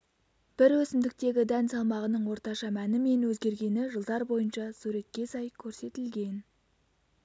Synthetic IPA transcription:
b̥ɪɾwɵsɪmd̪ɪk̚t̪e̞ɡʲɪd̪ænsɑlˠmɑʁənəɴwo̞ɾt̪ɑʃɑmænɪme̞nwɵzɡʲe̞ɾɡʲe̞nɪʒəlˠd̪ɑɾbo̞jənʃɑsʉɾe̞t̪̚kʲːe̞sɑjkʲʰɵɾse̞t̪ɪlɡʲe̞n

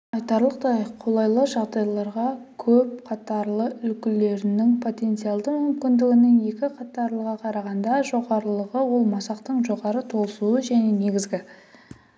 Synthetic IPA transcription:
ɑjt̪ɑɾlˠəqt̪ɑjqʰo̞lˠɑjlˠəʒɑʁd̪ɑjlˠɑɾʁɑkʲʰɵp̚qʰɑt̪ɑɾlˠəʏlkʲɪle̞ɾɪnɪŋpʰo̞t̪e̞nt̪sɨjɑlˠd̪əmʏmkʲɪnd̪ɪɡʲɪnɪŋje̞kʲɪqʰɑt̪ɑɾlˠəʁɑqʰɑɾɑʁɑnd̪ɑʒo̞ʁɑɾlˠəʁəwo̞lˠmɑsɑqt̪əɴʒo̞ʁɑɾət̪ʰo̞lˠsuwəʒæne̞ne̞ɡʲɪzɡʲɪ

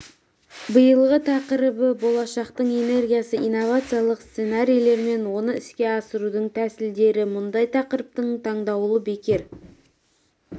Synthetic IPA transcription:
bəjəlˠʁət̪ʰɑqəɾəbəbo̞lˠɑʃɑqt̪əɴene̞rɡʲijasəijnːo̞vat̪sɨjalˠəqst̪senaɾʲijlˠe̞ɾme̞nwo̞nəɪskʲe̞ɑsəɾud̪əɴt̪ʰæsɪld̪e̞ɾɪmʊnd̪ɑjt̪ʰɑqəɾəp̚t̪əɴt̪ʰɑɴd̪ɑwlˠəbe̞kʲe̞ɾ

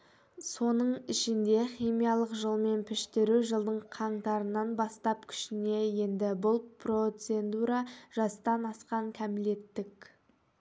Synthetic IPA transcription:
so̞nəɴɪʃɪnd̪e̞χijmijɑlˠəqʒəlˠme̞npʰɪʃt̪ɪɾuʒəlˠd̪əɴqʰɑɴt̪ɑɾənːɑnbɑst̪ɑpkʲʰʏ̥ʃɪne̞je̞nd̪ɪbʊlˠpʰro̞t̪se̞nd̪uɾɑʒ̥ɑst̪ɑnɑsqɑŋkʲʰæmɪle̞t̪ːɪk

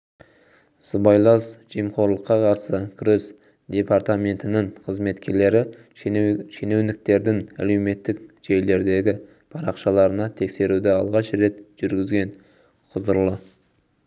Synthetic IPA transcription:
səbɑjlˠɑsʒ̥ijmqo̞ɾlˠəqːɑqʰɑɾsəkʲʰɾes | d̪̥ʲe̞paɾt̪amʲe̞nt̪ɪnɪŋqʰəzme̞t̪kʲe̞ɾle̞ɾɪ | ʃene̞wnɪk̚t̪e̞ɾd̪ɪŋæ̰le̞wme̞t̪ːɪkʒ̥e̞jle̞ɾd̪e̞ɡʲɪ | pʰɑɾɑqʃɑlˠɑɾənɑt̪ʰe̞kse̞ɾud̪ɪɑlˠʁɑʃɾe̞t̪ʒ̥ʏɾɡʲɪzɡʲe̞n | qʰʊzəɾlˠə

